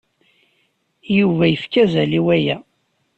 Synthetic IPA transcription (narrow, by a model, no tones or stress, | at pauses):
juvæjəfkæzæliwæjæ